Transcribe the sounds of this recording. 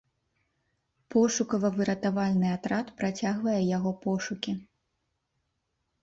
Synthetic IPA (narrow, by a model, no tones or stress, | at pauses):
pɔʂukɐvɐvɨɾɐt̪avalʲnɨat̪ɾat̪pɾat͡sʲaɣvɐjɛjaɣɔpɔʂukʲi